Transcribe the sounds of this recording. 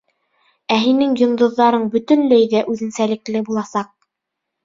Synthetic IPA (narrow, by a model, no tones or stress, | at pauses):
æɦinɘŋjŏnd̪ɤ̆ðːɑɾɤɴbɵ̆t̪ɵ̆nlæjðæʔʉðɘ̆nsælɘ̆klɘbulˠɑsɑq̚